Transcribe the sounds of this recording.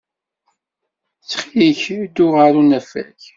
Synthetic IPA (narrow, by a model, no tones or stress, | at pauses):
t͡sːχijiçd̪ːʊʁəɾunæfæ̰ç